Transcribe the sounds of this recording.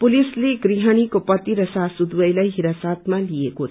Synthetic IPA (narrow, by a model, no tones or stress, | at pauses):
pulisleɡɾiɦəɽ̃ikopʌt̪iɾəsasud̪wəjlajɦiɾasat̪malieko